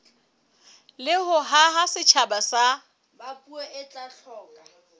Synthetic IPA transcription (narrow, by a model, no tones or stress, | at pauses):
lɪɦʊɦaɦasɪt͡ʃʰabasa | bapʼueʔɪt͡ɬʼaɬʰɔːkʼa